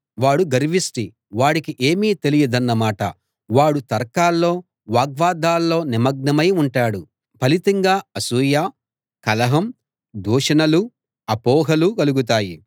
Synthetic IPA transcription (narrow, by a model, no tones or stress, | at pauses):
ʋaːɽuɡɐɾiʋisʈi | ʋaːɽikiʔe̞ːmiːt̪e̞lijɐd̪ɐnːɐmaːʈɐ̰ | ʋaːɽut̪ɐɾkaːlːo̞ː | ʋaːɡʋaːd̪ʱaːlːo̞ːnimɐɡ̚nɐmɐjuɳʈaːɽu | pɐlit̪ɐŋɡaːɐsuːjaː | kɐlɐɦɐm | d̪uːʂɐnɐlu | ɐpɔːɦɐlukɐluɡut̪̬aːji